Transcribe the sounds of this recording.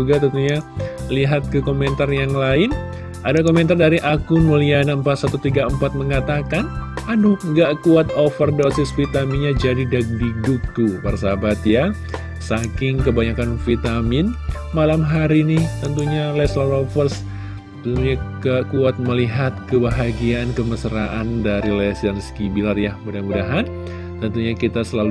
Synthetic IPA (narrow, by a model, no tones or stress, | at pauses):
uɡat̪ənt̪uɲa | liɦat̪̚kəkomɛnt̪arjaŋlaɪn | ʔadakoment̪ardaɾiʔakʊnmolianaəmpat̪sat̪ut̪iɡaəmpat̪̚məŋat̪akanaduŋɡaʔkuat̪ofərdosɪsfit̪amiɲad͡ʒadidak̚diduk̚t̪uparsabat̪ja | sakɪŋkəbaɲakanfit̪amɪn | malamɦaɾinɪht̪ənt̪uɲalɛslalofərs | t̪əuɲakaʔkuat̪̚məliɦat̪̚kəbaɦaɡiaːnkəməsəɾaʔandaɾilɛsanskibilarjamudaɦnmudaɦan | t̪ənt̪uɲakit̪asəlalu